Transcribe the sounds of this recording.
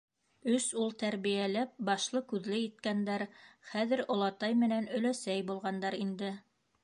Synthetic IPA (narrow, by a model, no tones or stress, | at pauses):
ɵsulˠt̪æɾβijælæp̚bɑʃlˠɤkʉðlɘit̪kænd̪æɾχæðɘ̆ɾŏlˠɑt̪ɑjmɘ̆nænɵ̆læsæjbulˠʁɑnd̪ɑɾind̪ɘ